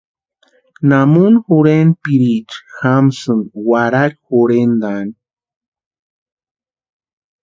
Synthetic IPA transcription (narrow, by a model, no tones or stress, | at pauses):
namunxuɾenpiɾit͡ʃxamsɨnwaɾaɾxuɾend̪an